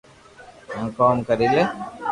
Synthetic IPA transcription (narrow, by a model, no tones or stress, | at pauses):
ãkoːmkɐɾile